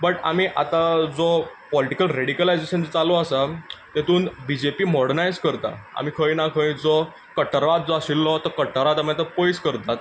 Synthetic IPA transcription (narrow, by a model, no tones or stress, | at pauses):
bəʈa̰miːʔa̰t̪ad͡zɔpɔliʈikəlɾeɽikəlajd͡zeɕənd͡ʑt͡saloasat̪et̪uːnbid͡ʑepiːmɔɽənajd͡zkəɾt̪a̰a̰m̤ikʰəjnakʰəjd͡zɔ | kəʈəɾʋat̪̚d͡zɔasilːɔt̪əkəʈəɾat̪aməat̪əpojskəɾt̪at̪